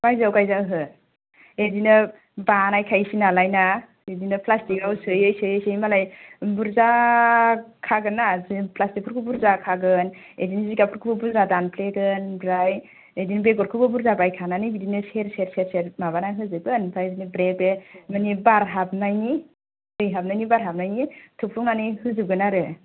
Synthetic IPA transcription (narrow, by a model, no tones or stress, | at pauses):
bajzawkajzaɦɯ | edinɯ | banajkʰajsinalajna | edinɯpʰlastikawsɯjejsɯjejsɯjmalajbuɾza | kʰaɡɯnazipʰlastik̚ʰuɾkʰubuɾzakʰaɡɯn | ḛdiniziɡapʰuɾkʰubɯbuɾzadanpʰleɡɯnbɾaj | edinbeɡɔɾkʰɯbɯbuɾzabajkʰananɯbidinɯseɾeɾseɾseɾmabanajɦɯzɯɡɯnpʰaedinibɾebemanibaɾɦap̚najni | ɯjɦap̚najnibaɾɦap̚najnitʰup̚ʰuŋanɯhɯzɯɡɯnaɾɯ